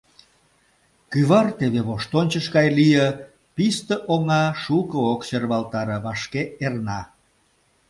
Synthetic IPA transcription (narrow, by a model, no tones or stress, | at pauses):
kyβɑrt̪eβeβoʃt̪onʲt͡ɕəʃɣɑjlijə | pist̪əʔoŋɑʃukəokserβɑlt̪ɑɾə̆βɑʃkeernɑ